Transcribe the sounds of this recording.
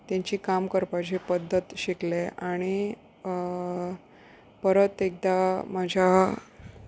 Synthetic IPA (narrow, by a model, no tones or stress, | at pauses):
t̪jaɲt͡ɕiːkamkəɾpat͡ɕepəd̪ʱːət̪ɕikleaɽ̃i | pəɾət̪ek̚d̪amad͡ʑʱa